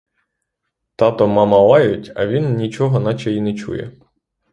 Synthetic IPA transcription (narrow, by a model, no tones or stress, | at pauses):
t̪ɑt̪ɔmɑmɐlˠɑjʊtʲɐ̰ʋʲinnʲit͡ʃɔɦɔnɑt͡ʃɛjinɛt͡ʃṵjɛ̰